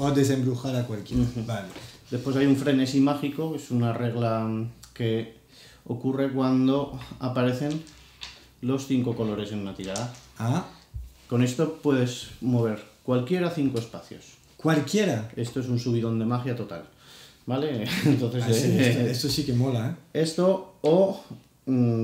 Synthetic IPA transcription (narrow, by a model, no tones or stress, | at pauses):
od̪es̬ẽmbɾuxaɾakwalkjẽbaled̪e̞spwe̞sajuɱfɾe̞nesimaxiko̞kesunare̞ɣ̞lake̞ | okure̞kwand̪o̞apaɾe̞θe̞n | lo̞sθiŋko̞ko̞lo̞ɾe̞se̞nmat̪iɾaðaa | ko̞ne̞st̪o̞pwe̞ð̞e̞smo̞β̞e̞ɾkwalkje̞ɾaθiŋko̞e̞spaθjo̞̰s | kwalkjeɾae̞st̪o̞e̞sunsuβ̞iðo̞nd̪e̞maxjat̪o̞t̪a̰l | bale̞nt̪o̞nθeest̪osikemolaee̞st̪o̞o